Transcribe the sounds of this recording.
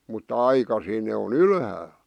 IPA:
mutːɑ ɑikɑsiːn ne on ylhæːl

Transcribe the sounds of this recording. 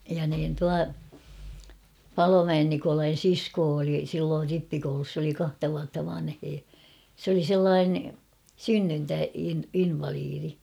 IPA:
jɑ niːn tuɑ pɑlomæen nikolɑin̞ siskoː oli silːoːr ripːikoulus s oli kɑhtɑ ʋuɑtːɑ ʋɑnheː s oli selːɑːne synːyntæ in inʋɑliːri

